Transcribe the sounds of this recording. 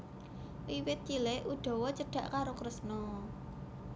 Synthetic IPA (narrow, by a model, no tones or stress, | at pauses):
wiwɪt̪̚t͡ʃilɛʔuɖ̪̥ɔ̤wɔt͡ʃəɖ̥ä̤ʔkaɾokɾəsnɔ